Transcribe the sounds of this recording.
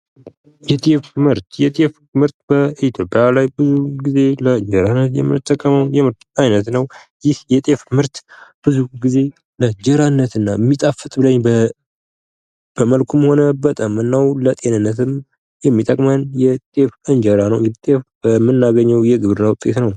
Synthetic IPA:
jɛt̪ʼefmɨɾt̪jɛt̪ʼef | mɨɾt̪̚bəit̪ʰjo̞pʼjalajbɨzuɡize̞ləɨɲd͡ʒəɾanːət̪jɛ̰mɨ̰t̪ʰʼːəkʼːəməwnjɛmɨɾt̪ajnət̪nəw | jɪhjɛt̪ʼefmɨɾt̪b̥ɨzuɡize̞ | ləd͡ʒəɾanːət̪ɨnːajmːit̪ʼafːɨt̪ʼbɨləɲb | b̥əməlkʰumho̞nəbət̪ʼamɨnːawlət̪ʼe̞nɨnːət̪ʰɨm | jɛmːit̪ʼəkʼmənjɛt̪ʼefɨɲd͡ʒəɾanəwjɛt̪ʼefbəmːɨnːaɡəɲːɛwjɛɡɨβɾɨnːawʊt̪ʼːet̪nəw

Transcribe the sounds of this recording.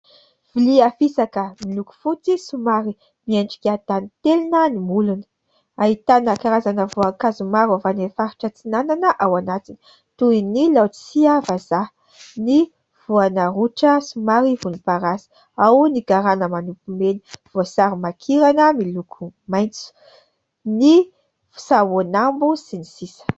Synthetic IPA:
v̥iliafisakəmiluku̥fut͡sisumaɾi | miaɳɖ͡ʐi̥kʲat̪anit̪elinənimulunə̥ | aɦit̪anəkaɾazanəvoaŋkazumaɾavanefaɾi̥ʈ͡ʂət͡sinananəʔawanat͡sini̥ | t̪uinilawt͡siavaza | ni | v̥uanəɾuʈ͡ʂəsumaɾivunipaɾasi̥ | awniɡaɾanəmanupumeni̥v̥osaɾimakʰiɾanəmilukʰumajnt͡su̥ | ni | fu̥sawonambusinisisə̥

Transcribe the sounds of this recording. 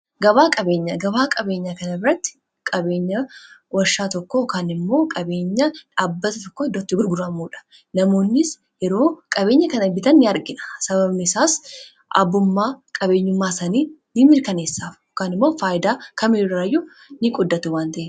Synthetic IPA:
ɡɐbaːkʼɐbe̞ːɲːɐɡɐbaːkʼɐbe̞ːɲːakɐnɐbɪɾɐt̪ːɪ̥ | kʼɐbe̞ːɲːɐwɐʃːaːt̪ɔkːokanɪmːo̞ːkʼɐbe̞ːɲːɐᶑaːbːɐt̪ɐt̪ɔkːohɪd̪ːot̪ːɪbʊɾɡʊrɐmːuːᶑɐ̥ | nɐmo̞ːnːɪs | jɛɾo̞ːkʼɐbe̞ːɲːɐkɐnɐbɪt̪ɐnːɪɐɾɡɪᶑɐ̥sɐbɐbnɪsaːs | ʔɐ̰bːʊmːaːkʼɐbe̞ːɲːʊmːaːsɐniːnɪmɪɾkɐne̞ːsːaːfɔkaːnɪmːoːfaːjɪd̪aːkɐmiːraːjːʊ | nɪkʼʊd̪ːɐt̪ʊwaːnt̪ɐʔe

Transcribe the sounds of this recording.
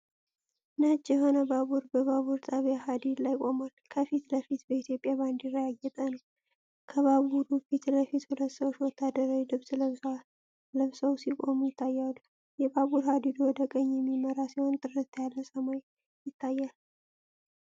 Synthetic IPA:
nat͡ʃːjɛɦo̞nəbaβuɾbəβaβuɾt̪ʼaβjahad̪id̪lajkʼo̞malkʰəfit̪ləfit̪bəit̪ʰjo̞pʼːjaband̪jɪrːəjaɡːɛt̪ʼənəw | kʰəβaβuɾufit̪ləfit̪hulət̪ːsəwt͡ʃwɔt̪ʰːad̪əɾalɨβsləβsa | lɨβsəwsikʼo̞mujɪt̪ʰːajːal | jɛbaβuɾhad̪id̪owɔd̪əkʼəɲːjɛmːiməɾasiho̞nt̪ʼɨɾɨt̪ʰjalːəsəmaj | jɪt̪ʰːajːal

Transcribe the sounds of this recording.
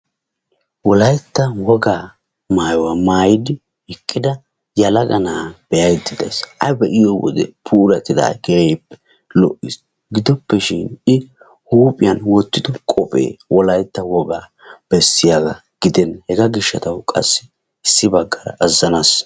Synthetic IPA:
wɔlɐjt̪ːɐwɔɡaː | maːjwamaːjɪd̪ɪ | hɛkʼːɪd̪ɐ | jɐlɐɡɐnaːb̥ɛjɐjd̪ɪd̪ɐ̰sʔɐjbɛʔɪjɔwɔ̰d̪ɛ̰pʰuːɾɐt̪ʼːɪd̪a̰ːɡɛejpːɛ̥ | lɔ̰ʔɪs | ɡɪd̪ɔpːɛʃɪnɪ | huːpʼɪjɐnwɔt̪ːɪd̪ɔkʼɔpʼḛːwɔlɐjt̪ːɐwɔɡaː | b̥ɛsːɪjaɡɐ | ɡ̥ɪd̪ɛnhɛɡɐɡɪʃːɐt̪ɐwkʼɐ̰sːɪ | ɪsːɪbɐɡːɐɾɐ̰ɐzːɐnɐs

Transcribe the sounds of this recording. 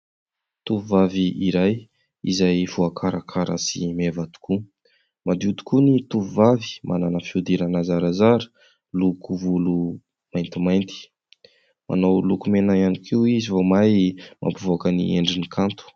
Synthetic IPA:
t̪uvuvaviiɾaj | ḭzajvuakʰaɾakʰaɾə̰sḭmevat̪u̥ku | mad̪ut̪u̥kunit̪uvuvavi̥mʔananəfiud̪iɾanazaɾazaɾə̥ | lukuvulu | majnt̪imajnt̪i̥ | ma̰nawlukumenajanikʰiwizivomajmʔa̰mpuvokənḭḛɳɖ͡ʐinikʰant̪u̥

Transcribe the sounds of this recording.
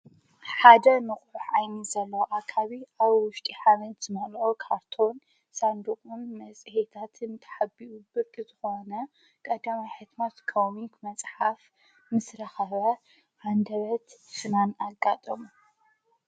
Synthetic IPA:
ħad̪ɐnɨχʼʕuħajnizɐlːɐwʔakʰaβiʔaβwʊʃt̪ʼiħamɐnt̪z̥ɨmɐlʔokʰaɾt̪ʰo̞n | sand̪ukʼunmɐt͡sʼhet̪ʰat̪ʰɨnt̪ʰɐ̥ħabiʔubɨɾkʼɨzɨxo̞nɐ | kʼɐd̪amajħɨt̪mɐt̪kʰowmiŋkmɐt͡sʼħaf | mɨsɾɐxɐβɐ | ʕand̪ɐβɐt̪fɨnanaɡːat̪ʼɐmu

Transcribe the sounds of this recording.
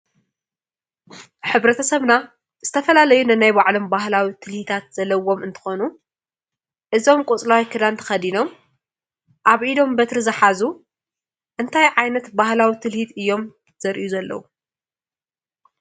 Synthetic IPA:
ħɨβɾɐt̪ʰɐsɐβna | z̥ɨt̪ʰɐfɐlalɐjunɨnajbaʕlo̞mbaɦlawit̪ʰɨlhit̪ʰat̪z̥ɐlːɐwo̞mɨnt̪ʰɨ̥xonu | ʔɨzo̞mkʼut͡sʼlawikʰɨd̪ant̪ʰɐ̥xɐd̪ino̞m | ʔaβʔid̪o̞mbɐt̪ɾɨzɨħazu | ʔɨnt̪ʰajʕajnɐt̪bahlawit̪ʰɨlhit̪ɨjːo̞m | z̥ɐɾʔijuzɐlːɐ̰wu

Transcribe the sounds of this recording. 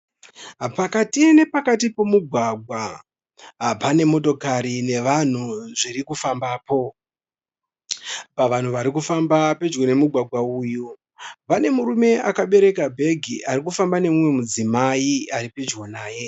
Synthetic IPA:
pakatine̞pakat̬ipo̞muɡʱwaɡʱwa | pane̞mo̞to̞kaɾine̞ʋan̤uʐiɾikufambaːpo̞ | paʋan̤uʋaɾikufambape̞d͡ʒwone̞muɡʱwaɡʱwauːju | ʋane̞muɾume̞ʔakaɓe̞ɾe̞kabʱe̞ɡʱiʔarikufambane̞mumwe̞mud͡zimaiaɾiped͡ʒwonaːje̞

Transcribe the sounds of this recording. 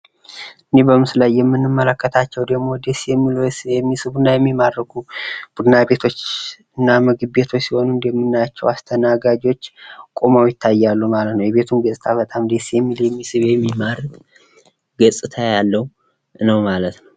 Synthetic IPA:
ʔɨnːe̞bəmɨslajːɛmːɨnːɨmːələkːət̪ʰat͡ʃːɛwd̪əɡmo̞d̪esjɛmːiljɛmːisɨβunːajɛmːimad̪ːəɡʰub̥ud̪ɨnabe̞t̪ʰo̞t͡ʃː | ɨnːaməɡɨbe̞t̪ʰo̞t͡ʃːsiho̞nundɛmːɨnːajat͡ʃːɛwast̪ʰənaɡad͡ʒwo̞t͡ʃːkʼomawjɪt̪ʰːajːalːumalət̪nəwjɛβe̞t̪ʰumɡəsʼɨt̪ʰaβət̪ʼamd̪esjɛmːiljɛmːisɨβjɛmːimaɾt | ɡəsʼɨt̪ʰajalːəw | nəwmalət̪nəw

